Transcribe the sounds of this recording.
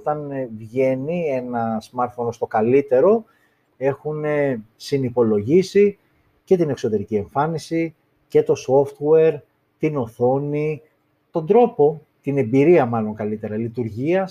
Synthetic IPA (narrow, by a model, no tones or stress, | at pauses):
t̪ɐnvʝe̞nie̞nɐsmɐɾt̪fo̞nst̪o̞kɐlit̪e̞ɾo̞ | e̞xune̞sinipo̞lo̞ʝisi | ce̞t̪ine̞kso̞t̪e̞ɾicie̞ɱfɐnisi | ce̞t̪o̞so̞ft̪weɾ | t̪ino̞θo̞ni | t̪o̞nd̪ɾo̞po̞ | t̪ine̞mbiɾiɐmɐlo̞ŋkɐlit̪e̞ɾɐlit̪uɾʝiɐ